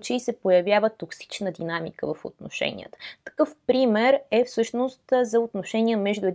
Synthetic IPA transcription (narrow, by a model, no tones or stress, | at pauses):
t͡ʃisɛpojɐvʲjavət̪oksi̥t͡ʃnəd̪inamḭkəvəfo̰t̪no̰ʃɛ̰nʲḭə̰t̪ə̥t̪ɐ̥kɤfpɾimɛɾɛfsɤʃnost̪zɐot̪noʃɛnʲiəmɛʒd̪ʊɛd̪